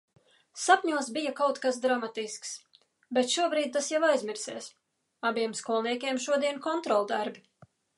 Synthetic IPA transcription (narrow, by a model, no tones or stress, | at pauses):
sapʲɲuɔsbijakawt̪kas̬d̪ɾamat̪isks | bɛt̪ʃuɔbɾiːd̪̚t̪asjavajzmʲiɾseːs | abiɛmskuɔlˠniɛkʲiɛmʃuɔd̪iɛnkɔnt̪ɾɔlˠd̪aɾbʲi